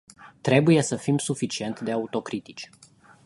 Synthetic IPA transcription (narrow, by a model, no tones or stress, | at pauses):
t̪ɾe̞buje̞səfimsufit͡ʃie̞nt̪d̪e̞aut̪o̞kɾit̪i̥t͡ʃʲ